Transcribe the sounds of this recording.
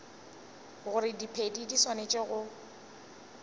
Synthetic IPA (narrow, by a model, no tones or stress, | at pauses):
ɣʊɾɪdipʰedidiswanet͡ʃʼeɣʊ